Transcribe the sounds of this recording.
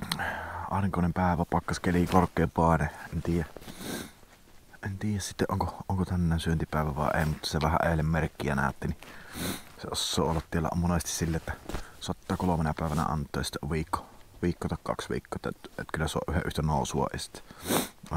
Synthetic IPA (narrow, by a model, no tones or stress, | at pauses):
ɑ̰ˑeriŋkoˑenempæˑeʋæpɑkːɑskelikorkːˑeːpɑˑeneʔent̪iːjæ | ʔent̪iːjæssit̪ːeʔʔoŋkoʔoŋkot̪ænːæˑːnsyønt̪ipæˑeʋæʋɑ̰ˑḛʔḛˑimut̪ːɑ̥seʋæhæ̰ʔeˑelːemmerkːiænæ̰ˑøt̪ːini | seosːo̰ːolːɑt̪tielːæ̰ʔmonest̪issilːeʔʔt̪ːæsɑt̪ːɑˑkolomenɑpæˑeʋænæ̰ɑ̰nt̪ːˑoˑːjɑsi̥t̪ːæʔʋiːkːoʋiːkːoːˑt̪ɑˑkkɑ̰ksʋḭːkːoːˑet̪ːæt̪kylːæsuɑ̰ʔyhḛʔyht̪ænoˑusuɑ̰ʔʔḛsi̥t̪ːæ̥